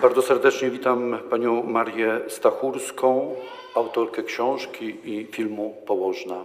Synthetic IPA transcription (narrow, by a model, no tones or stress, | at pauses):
baɾd̪ɔsɛɾd̪ɛt͡ʂɲɛvʲit̪ampaɲɔ̃w̃ːaɾjɛst̪axuɾskɔ̃w̃ | awt̪ɔɾkɛkɕɔ̃w̃ʂkʲiifʲilmupɔwɔʐna